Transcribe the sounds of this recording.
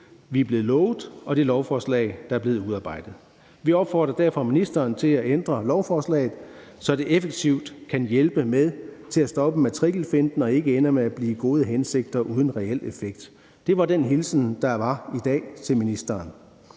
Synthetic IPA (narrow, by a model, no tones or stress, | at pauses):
ʋiæb̥le̝ːð̩ˠlɔʊð̩ˠɒ̽d̥e̝lɒʊfɒːslɛ̰ɪd̥ɑ̈æɐble̝ːð̞̩ˠuðˠɑ̈ːb̥ɑ̈ɪ̰d̥ð̩ˠ | ʋiɒ̽b̥fɒ̰ːd̥ʁɐd̥æɐ̰fɒ̽minisd̥ɐːnt͡sʰe̝læend̥ʁɐlɒʊfɒːslɛ̰ːɪð̩ˠ | sɒ̽d̥e̝ʔefeɡ̥t͡sʰiʊd̥kʰænjelb̥əmeðˠt͡sʰe̝læsd̥ɒ̽b̥əmæt͡sʰʁiɡ̥l̩fe̝nd̥n̩ɒ̽e̝ɡ̥əenɐmeæb̥liːɡ̥o̝ːð̞ˠəɦense̝ɡ̥̚d̥ɐʔuːð̞ˠn̩ʁɛel̰efeɡ̥̚d̥ | d̥e̝ʋɑ̈d̥enɦilsn̩d̥ɑ̈ʋɑ̈id̥ɛ̰ːt͡sʰe̝lminisd̥ɐːn